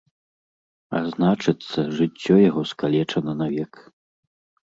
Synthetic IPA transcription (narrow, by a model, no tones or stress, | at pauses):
a̰znat͡ʂɨt̪sːɐʐɨt͡sʲːɔjaɣɔskalʲɛt͡ʂɐnɐnavʲɛk